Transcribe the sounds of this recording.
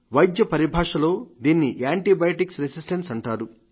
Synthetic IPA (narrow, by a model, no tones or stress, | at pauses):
ʋɐjd̪jɐpɐɾibʱaːʂɐlo̞ːd̪iːnːiʔaːɳʈibɐjɐʈiksɾesisʈɐnsɐɳʈaːɾu